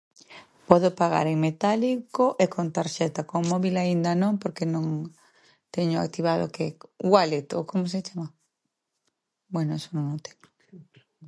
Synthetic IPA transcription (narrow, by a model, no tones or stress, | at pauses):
pɔðopaɣa̰ɾeŋmet̪alikoʔekʰont̪aɾʃɛt̪akoŋmɔβilaind̪anõŋpoɾkenõŋ | t̪ɛɲʊa̰k̚t̪iβaðo̰keɡwalet̪o̰komos̬et͡ʃama | bwɛnoɛsonõŋot̪ʰɛ̥ɲo̥